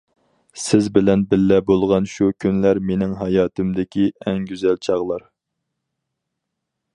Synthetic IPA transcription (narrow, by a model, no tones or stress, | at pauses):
sɪzbɪlɛnbɪlːɛbolˠʁɑnʃukʲʰynlæɾmenɪŋɦɑjɑːt̪ɨmd̪ɪkʲiɛŋɡʲyzɛlt͡ʃʰɑʁlˠɑɾ